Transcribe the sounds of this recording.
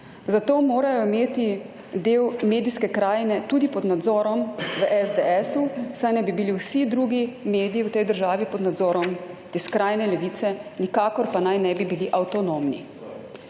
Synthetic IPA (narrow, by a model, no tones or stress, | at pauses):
zat̪oːmoːɾajɔimeːt̪i | d̪eːwmeːd̪iskɛkɾaːjnɛt̪uːd̪ipɔd̪nad̪zɔːɾɔmʋəʔɛzd̪ɛɛsusajnɛjbibiliwsid̪ɾuːɡimeːd̪iiwt̪ɛjd̪əɾʒaːʋipɔd̪nad̪zɔːɾɔmt̪eːskɾaːjnɛlɛʋiːt̪sɛnikaːkɔɾpanajnɛbibiliʔawt̪ɔnomnḭ